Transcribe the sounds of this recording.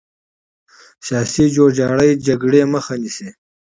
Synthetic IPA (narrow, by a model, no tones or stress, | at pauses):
sjɑːsid͡ʒoɾd͡ʒɑːɽəjd͡ʒaɡɽeməxanise